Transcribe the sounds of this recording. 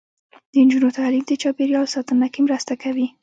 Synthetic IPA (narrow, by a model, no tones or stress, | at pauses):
d̪̥ənd͡ʒunot̪alimd̪ət͡ʃɑpeɾjɑlsɑt̪ənakemɾəst̪akawi